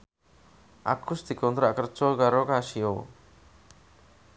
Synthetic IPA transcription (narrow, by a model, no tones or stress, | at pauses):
a̰kʰːust̪ikɔnd̪ɾɔakɾt͡ʃɔɡaɾɔkaʃijo